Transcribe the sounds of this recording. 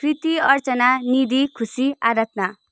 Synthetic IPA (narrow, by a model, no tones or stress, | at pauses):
prit̪iʌrt͡sʌnanid̪ikʰusiaɾat̪na